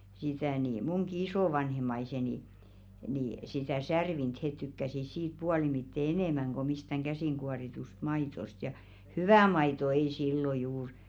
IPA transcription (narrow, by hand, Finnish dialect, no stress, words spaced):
sitæ ni muŋki isoˑʋɑnhemˑɑiseni ni sitæˑ særʋint het tykːæsis siːt puɑlimitːe eneˑmæŋ ɡ̊o mistæŋ ɡ̊æsiˑŋɡ̊uɑritust mɑitost jɑ hyʋæˑ mɑito ei silːo juːr